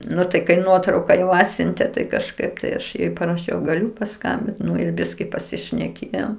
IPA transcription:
ˈnʊ tɐɪ kɐɪ ˈnuɔtrɐʊkɐ ˈɑːtʲsʲʊnʲtʲeː tɐɪ kɐʃˈkɐɪp tɐɪ ˈɐʃ pɐrɐˈʃʲɛʊ ɡɐˈlʲʊ pɐˈskɐmʲbʲɪnt ɪr ˈbʲɪsʲkʲɪ pɐsʲɪʃʲnʲɛˈkʲeːjoːm

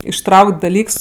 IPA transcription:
ɪʃˈtrɐʊkʲtʲ dɐˈlʲiːks

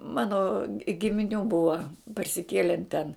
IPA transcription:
ˈmɑːnoː ɡʲɪmʲɪˈnʲuː ˈbʊɐ pɐrʲsʲɪˈkʲiɛlʲɛn tʲɛn

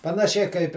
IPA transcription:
pɐnɐˈʃʲɛɪ kɐɪp

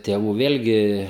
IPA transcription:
tʲeːˈʋuː ˈʋʲeːlʲɡʲɪ

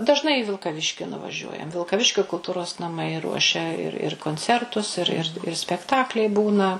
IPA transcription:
dɐʒˈnɐɪ iː ʋʲɪlˠkɐˈʋʲɪʃʲkʲɪ nʊʋɐˈʒʲuɔjɛm ʋʲɪlˠkɐˈʋʲɪʃʲkʲoː kʊlˠˈtuːroːs nɐˈmɐɪ ˈruɔʃʲɛ ɪr ɪr koːnʲˈt͡sʲɛrtʊs ɪr ˈɪr ˈɪr sʲpʲɛkˈtɑːklʲɛɪ ˈbuːnɐ

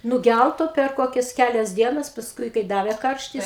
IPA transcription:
nʊˈɡʲælˠtoː pʲɛr ˈkoːkʲɛs ˈkʲælʲɛs ˈdʲiɛnɐs pɐsˈkʊɪ kɐɪ ˈdɑːʋʲeː ˈkɐrʲʃʲtʲɪs

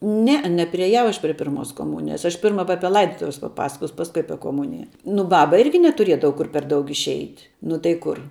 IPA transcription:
ˈnʲæːˌɛ nʲɛpʲrʲɪeːˈjɛʊ ˈɐʃ pʲrʲiɛ ˈpʲɪrmoːs koːˈmʊnʲɪjɛs ˈɐʃ ˈpʲɪrmɐ ʋɐ ˈɑːpʲiɛ ˈlˠɐɪdoːtʊʋʲɛs pɐˈpɑːsɐkoːs ˈpɑːskʊɪ ˈɑːpʲiɛ koːˈmʊnʲɪjɛ nʊ ˈbɑːbɐ ˈɪrʲɡʲɪ nʲɛtʊˈrʲiɛdɐʋɐ ˈkʊr pʲɛr ˈdɐʊk ɪʃʲˈɛɪtʲ nʊ tɐɪ ˈkʊr

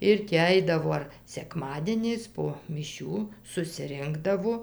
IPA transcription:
ˈɪr tʲɪ ˈɐɪdɐʋoː ɐr sʲɛˈkmɑːdʲiɛnʲɛɪs poː mʲɪˈʃʲuː sʊsʲɪˈrʲɪŋɡdɐʋoː

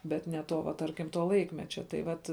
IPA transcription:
bʲɛt nʲɛ ˈtoː ʋɐ ˈtɐrʲkʲɪm toː ˈlˠɐɪkmʲɛt͡ʃʲɛ tɐɪ ˈʋɐt

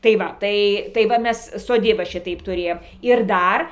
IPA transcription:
tɐɪ ˈʋɐ ˈtɐɪ tɐɪ ˈʋɐ ˈmʲɛs soːˈdʲiːbɐ ˈʃʲɪtɐɪp tʊˈrʲeːjoːm ɪr ˈdɐr

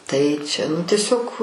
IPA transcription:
tɐɪ t͡ʃʲɛ nʊ tʲiɛˈsʲoːk

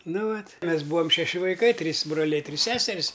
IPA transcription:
ˈnʊ ˈʋɐtʲ ˈmʲɛs ˈbuːɐm ʃʲɛˈʃʲɪ ʋɐɪˈkɐɪ ˈtʲrʲiːs broːˈlʲɛɪ ˈtʲrʲiːs ˈsʲæːsʲɛrʲɪs

